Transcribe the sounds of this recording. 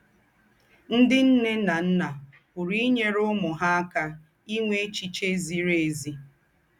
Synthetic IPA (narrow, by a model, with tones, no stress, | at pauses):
n̩˦dɪ˦n̩˦ne˦na˨n̩˦na˨ | kʊ˨ɾi˦ɲe˦ɾʊ˦mʊ˨ɦa˦a˦ka˦ | i˦ŋʷe˦e˦t͡ʃi˨t͡ʃe˦zi˨ɾe˨˦˨zi˨